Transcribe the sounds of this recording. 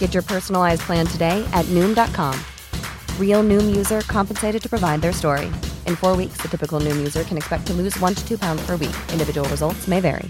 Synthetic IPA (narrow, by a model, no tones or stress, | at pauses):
ɡ̥ɛt͡ʃə˞pʰɜ˞sn̩l̩ˠaɪzpʰl̥æ̃ntʰɨdeɪʔɨtⁿnʉ̃mdɑt̚kʰɑ̃m | ɹilˠnʉ̃mjʉzə˞kʰɑ̃mpn̩seɪɾɨd̚tʰɨ̥pɹ̥əvaɪd̪̚ðə˞stɔɹḭʔɨ̃nfɔɹwiksðɨtʰɪpɨkl̩ˠnʉ̃mjʉzə˞kʰɨ̃nɨkspɛk̚tʰɨlʉzwʌ̃ntʰɨ̥tʰʉpʰãʊ̃ndz̥pʰə˞wḭkʔɪ̃ndɨvɪd͡ʒəwl̩ˠɹəzʌlˠtsmeɪvɛ̰ɹḭ